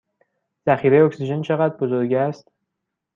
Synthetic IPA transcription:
z̥æxiːɾe̞jeocsiʒe̞nt͡ʃʰe̞ɣæt̪̚bo̞zo̞ɾɡɟæst̪

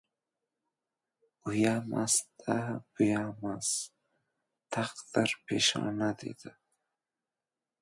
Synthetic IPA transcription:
ujamʔa̰sd̪abujamas | t̪ʰaqd̪aɾpʰeʃɑ̰nad̪ḭd̪a

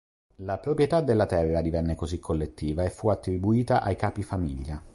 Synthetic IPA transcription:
lapɾopɾjet̪ad̪ːelːat̪ɛrːad̪ivɛnːekozikʰːolːet̪ːiːvaefːuat̪ːɾibuiːt̪aʔajkaːpifamiʎːa

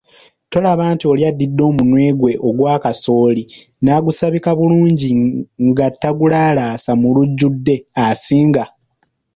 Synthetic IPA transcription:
to̞laβaːntio̞ljadːidːo̞ːmunwe̞ːɡwe̞ʔoɡwaːkaso̞ːli | naːɡusaβikaβuluːɲɟiŋɡatːaɡulaːlaːsamuluɟːudːe̞asiːŋɡa

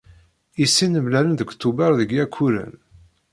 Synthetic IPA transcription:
isːinəmlælənðəkʷt̪ːubɑɾðəɡjækʰːuɾə̰n

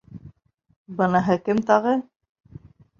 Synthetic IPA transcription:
bɤ̆nɑɦɤkɘmt̪ɑʁɤ

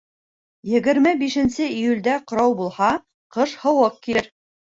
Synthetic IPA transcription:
jɘ̆ɡɘ̆ɾmɘbiʃɘ̆nsɘijulʲd̪æqŏɾɑwbulˠhɑ | qɤʃhɤ̆wɤq̚kiɘɾ

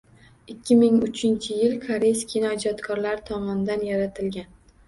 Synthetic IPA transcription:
ɪkʲʰːɪmɪŋʊt͡ʃʰɪnt͡ʃʰɪjɪlkʰaɾeskʲʰinɒd͡ʒɒt̪kʰɒɾlaɾɪt̪ʰɒmɒnɪd̪anjaɾat̪ʰɪlɡʲan

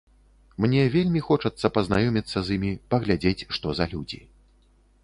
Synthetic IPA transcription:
mnʲɛvʲelʲmʲixɔt͡ʂɐt̪sːɐpɐznajɔmʲit̪sːɐzimʲipɐɣlʲad͡zʲet͡sʲʂt̪ɔzɐlʲud͡zʲḭ

